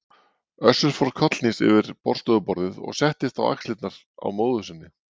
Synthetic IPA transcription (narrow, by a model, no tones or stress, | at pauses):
œsʏɾ̥fɔɾkʰœt̪l̥nisɪ̰vɪɾpɔɾr̥st̪œðʏpɔɾðɪðɔ̰ɣsɛht̪ɪt̪a̰wa̰kslɪt̪naɾ̥ | a̰wmoːwðʏsɪnːɪ